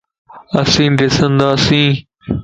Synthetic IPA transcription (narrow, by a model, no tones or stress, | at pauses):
əsĩːd̪esənd̪aːsĩː